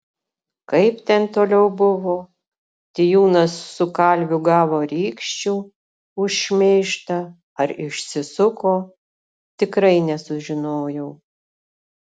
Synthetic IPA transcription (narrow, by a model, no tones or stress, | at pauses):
kɐɪpt̪ʲɛnt̪oːlʲɛʊbʊʋoː | t̪ʲɪjuːnɐsːʊkɐlʲʋʲʊɡɑːʋoːɾʲiːkʃʲt͡ʃʲuː | ʊʃʃʲmʲeːʃt̪ɐ | ɐɾɪʃʲsʲɪsʊkoː | t̪ʲɪkɾɐɪnʲɛsʊʒʲɪnoːjɛʊ